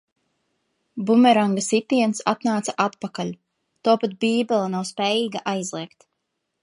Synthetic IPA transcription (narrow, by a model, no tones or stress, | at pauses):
bumɛɾaŋɡasit̪iɛnsa̰t̪naːt̪saʔat̪̚pakalʲ | t̪uɔpat̪̚bʲiːbʲelˠanawspɛːjiːɡaʔajzlˠiɛkt̪